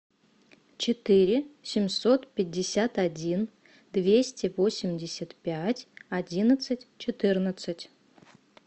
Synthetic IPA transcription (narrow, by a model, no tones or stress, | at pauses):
t͡ɕɪt̪ɨɾʲɪsʲɪmʲsot̪pʲɪt̚ʲːɪsʲat̪adʲin | d̪vʲesʲtʲɪvosʲɪmʲdʲɪsʲat̪pʲætʲadʲinət̪sɨtʲt͡ʃɪt̪ɨrnət̪sɨtʲ